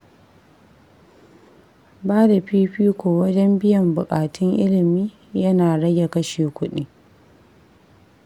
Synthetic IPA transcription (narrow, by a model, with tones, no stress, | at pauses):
baː˦da˨ɸiː˦ɸiː˦kʷoː˨wɐ˦d͡ʒɛ˦mbɪ˦jɐ˨mbʊ˨kʼaː˨tʊ˦ŋʔɪ̰˦lɪ˨miː˦ | jɐ˦naː˨ɽɐ˦ɡʲe˨kɐ˦ʃeː˨kʷʊ˦ɗiː˦